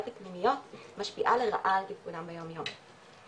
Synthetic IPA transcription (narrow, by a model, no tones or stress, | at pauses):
tapnimijot̪maʃpiʔaleʁa̰ʔalt̪ifkunambejomjom